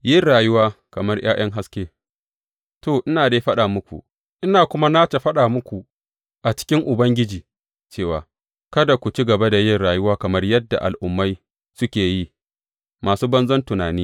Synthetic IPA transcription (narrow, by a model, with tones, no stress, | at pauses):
jɪ˦ɽaː˨jʊ˦waː˦kɐ˨mɐ˦rj̰a̰ː˦j̰ɐ˦ŋɦa˦skʲeː˦ | toː˨ʔɪ˦naː˨deː˦ɸɐ˦ɗaː˨mʊ˦kʷṵ˨ | ʔɪ˦naː˨kʷʊ˦ma˦naː˦t͡ʃe˨ɸɐ˦ɗaː˨mʊ˦kʷu˨ | ʔa˨t͡ʃɪ̥˦kʲɪ˦ŋʔʊ˨bɐ˦ŋɡʲɪ˦d͡ʒiː˨ | t͡ʃeː˦˨waː˨ | kɐ˦da˨kʷu˨t͡ʃi˦ɡɐ˨ba˦da˨jɪ˦rɽaː˨jʊ˦waː˦kɐ˨mɐ˦rjɐ˦dːa̰˨ʔa̰˨lʔʊ˨mːa˦j | sʊ˦kʲeː˨ji˦ | maː˨suː˦bɐ˦nzɐ˦ntʊ˨naː˨niː˦